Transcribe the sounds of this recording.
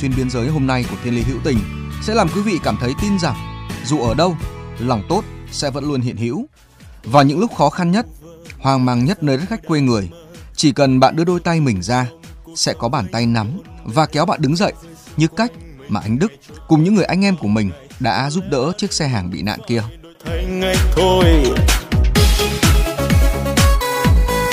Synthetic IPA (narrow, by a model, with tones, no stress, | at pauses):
twi˧nɓi˧ənzəː˨˦jɦo˧mna˧jku˧˩ət̪ʰi˧li˨˦ɦḭ˧˥wt̪ï˨˩ŋ̟sɛ̰˧˥laː˨˩mkwi˨˦vḭ˧˨kaː˧˩mt̪ʰə˨˦jt̪i˧nza˨˩ŋzu˨˩ʔəː˧˩ɗə˧wlɔ˨˩wŋ͡mt̪o˦˥t̚sɛ̰˧˥və̰˧˥nlu˧ənhɦḭ˧˨ənhḭ˧˥w | vaː˨˩wɲɨ̰˧˥ŋlʊ˦˥k͡p̚xɔ˨˦xa˧nɲə˦˥t̚ | hwaː˨˩ŋmaː˨˩ŋɲə˦˥t̚nəː˧jɗə˦˥t̚xa˦˥jk̟̚kwe˧ŋɨ˨˩əj | t͡ɕi˧˩kə˨˩nɓa̰ː˧˨nɗɨ˧əɗo˧jt̪a˧jmï˨˩ŋ̟zaː˧ | sɛ̰˧˥kɔ˨˦ɓaː˧˩nt̪a˧jna˨˦mvaː˨˩kɛ˨˦wɓa̰ː˧˨nɗɨ˨˦ŋzə̰˧˨j | ɲɨ˧ka˦˥jk̟̚ | maː˨˩ʔa˧jŋ̟ɗɨ˦˥k̚ːʊ˨˩ŋ͡mɲɨ̰˧˥ŋɨ˨˩əjʔa˧jŋ̟ʔɛ˧mku˧˩əmï˨˩ŋ̟ | ɗa̰ː˧˥zu˦˥p̚ɗə̰ː˧˥t͡ɕi˦˥ək̚sɛ˧ɦaː˨˩ŋɓḭ˧˨na̰ː˧˨nki˧ə | t̪ʰa˨˦jŋa˧jt̪ʰo˧j